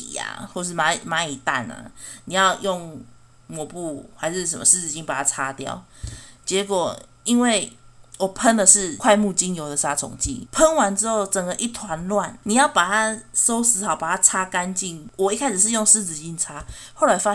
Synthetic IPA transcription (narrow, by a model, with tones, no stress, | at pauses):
i˨˦a̰˨˩xwɔ˥˧ʂ̬̩˥˩ma˧˦˨ma˧˦i˨˩t̪a̰˥˩na̰˨ni˨˩ja˥˧ʊjɔ˥˨˩ŋ | mwɔ˨˩pu˥˩xa˧ɪʂɻ̩˥˩ʂ̬ə˨mə̰˨ʂɻ̩˥˧t͡sɹ̩˧˩t͡ɕi˦npa˨˩tʰa˦t͡sʰa˦t̪jɑ̰˥˨˩ʊt͡ɕjɛ˧˦kwɔ˨˩ | i˦˥nwe˥˩ɪwɔ˨˩pʰə˦nd̪ə˨ʂɻ̩˥˧kʰwa˥˧ɪmu˥˩t͡ɕi˦njo˧˥ʊd̪ə˨sa˥t͡sʰʊ̰˨˩˦ŋt͡ɕḭ˥˨pʰə˦˥nwa˧˦nt͡sɻ̩˥ho˥˩ʊt͡sə˨˩ŋɡə˨ʔi˦˩t̪ʰwa˧˦nlwa˥˨nni˨˩ja˥˩ʊpa˨˩t̪ʰa˦so˦˥ʊsɹ̩˧˥xa˨˦ʊpa˨˩t̪a˦˥t͡sʰa˦˥ka˦nt͡ɕi˥˩nwɔ˨˩i˦˥kʰa˦˥ɪʂɻ̩˨˩ʂ̬ɻ̩˥˧jo˥˧ŋʂɻ̩˥˧t͡sɹ̩˨˧t͡ɕi˥nt͡sʰa˦˥ | xo˥˩ʊla˧˥ɪfa˦